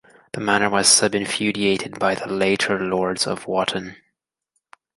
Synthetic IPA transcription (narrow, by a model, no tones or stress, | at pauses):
ðəmæñə˞wʌz̥sʌbɨ̃ɱfjʉɾieɪɾɨd̚baɪðəleɪɾə˞lɔɹdz̥ʌ̰vwɑʔn̩